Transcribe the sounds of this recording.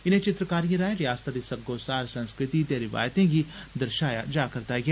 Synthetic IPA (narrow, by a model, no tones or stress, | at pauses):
ɪn̤ẽt͡ʃɪt̪ɾəkaːɾijə̃ɾaːẽɾɪjaːst̪ʰad̪isɐɡoːsaːɾsɐ̃nskɾɪt̪it̪̬eɾɪʋa̰ːjt̪ẽki | d̪əɾʃaːjad͡ʒaːkɐɾt̪aɡaː